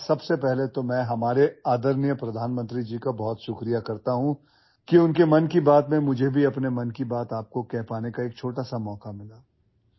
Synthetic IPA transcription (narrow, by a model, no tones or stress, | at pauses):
sɐbsepɛɦlet̪omɛ̃ːɦɐmaːɾeaːd̪əɾnijəpɾɐd̪ʱaːnmə̃nt̪ɾid͡ʒiːkabɔːt̪ʃʊkɾijakɐɾt̪aɦũ | kiʊnkemɐnkibaːt̪mẽmʊd͡ʒʱebʱiɐpnemɐnkibaːt̪aːp̚kokɛɦpaːnekaeːk̚t͡ʃʰoːʈasamɔːkamɪlaː